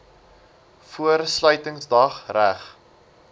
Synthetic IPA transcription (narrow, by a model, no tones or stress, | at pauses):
fuərslœɥtəŋsdɐχræχ